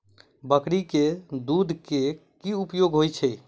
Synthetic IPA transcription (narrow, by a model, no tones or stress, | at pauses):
bəkɽiked̪ud̪ʱkekiupjoɡɦojt͡ʃʰəj